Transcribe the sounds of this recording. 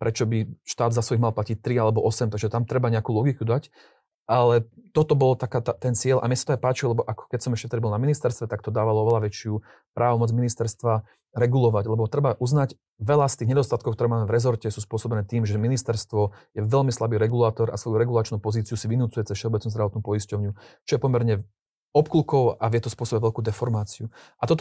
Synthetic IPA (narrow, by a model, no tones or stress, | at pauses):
pɾʔɛt͡ʃɔbiʃt̪aːd̪zasʋɔiɣmalˠplacic̚t̪ɾialɛbɔʔɔsɛmt̪aɡʒɛt̪amt̪ɾɛbaɲɛakuːlɔɡikud̪ac | ʔalɛt̪ɔt̪ɔbɔlɔt̪akaːt̪t̪ɛnt͡sɪɛʎʔa̰mjɛsḁt̪ɔajpaːt͡ʃilɛbɔʔakkɛcsɔmɛʃcɛft̪ɛd̪ibɔlnaminist̪ɛɾst̪ʋɛt̪ak̚t̪ɔd̪aːʋalɔɔʋɛlaʋɛt͡ʃɪu | pɾʔaːʋɔmɔd͡zminist̪ɛɾst̪ʋa | ɾɛɡulɔʋaɟlɛbɔt̪ɾɛbaʔuznac | ʋɛlast̪iːɣɲɛd̪ɔst̪at̪̚kɔʊkt̪ɔɾɛːmaːmɛvɾɛzɔɾcɛsuːspʊɔsɔbɛnɛːt̪iːmʒɛminist̪ɛɾst̪ʋɔjɛʋɛlmislabiːɾɛɡulaːt̪ɔɾa̰sʋɔjuɾɛɡulaːt͡ʃnuːpɔziːt͡siusiʋinut͡sujɛt͡sɛsfʃɛɔbɛt͡snuzd̪ɾaʋɔt̪nupɔiscɔʊɲut͡ʃɔjɛpɔmɛɾɲɛ | ɔpkulkɔʊaʋɪɛt̪ɔspʊɔsɔbɛʋɛʎlkuːd̪ɛfɔɾmaːt͡siuʔat̪ɔt̪